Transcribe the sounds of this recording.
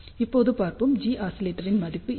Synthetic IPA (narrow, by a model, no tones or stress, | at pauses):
ɪpːoːðɯpaːɾpɯmd͡ʒiːʔaːsɪleːʈːɐɾɪnmɐðɪpːɯ